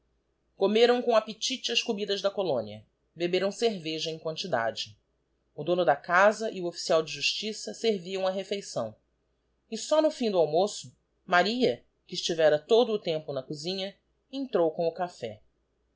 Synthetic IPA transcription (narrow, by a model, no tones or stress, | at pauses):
komeɾɐ̃w̃kõapet͡ʃit͡ʃɪɐʃkubid̪ɐʒd̪ɐkolõniɐ̰ | bebeɾɐ̃w̃seɾveʒɐẽj̃kwɐ̃nt͡ʃid̪a̰d͡ʒɪ | ʊd̪õnʊd̪ɐkazɐʔiʊofi̥siawd͡ʒɪʒuʃt͡ʃisɐseɾviɐ̃w̃ɐɦefejsɐ̰̃w̃ | ɪsɔnʊfĩd̪ʊawmosʊ | maɾiɐ | kɪːʃt͡ʃivɛɾɐt̪od̪ʊːt̪ẽmpʊnɐkuzĩɲɐ | ẽnt̪ɾowkõw̃ʊkafɛ̰